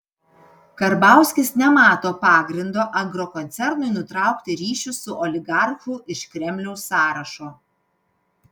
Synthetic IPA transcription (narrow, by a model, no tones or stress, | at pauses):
kɐɾbɑˑʊsʲkʲɪsnʲɛmɑːt̪oːpɑːɡɾʲɪnd̪oːʔɐŋɡɾɔkɔnʲt̪sʲɛɾnʊɪnʊt̪ɾɑˑʊkt̪ʲɪɾʲiːʃʲʊsʊʔɔlʲɪɡɑɾxʊʔɪʃkɾʲɛmʲlʲɛʊsːɑːɾɐʃoː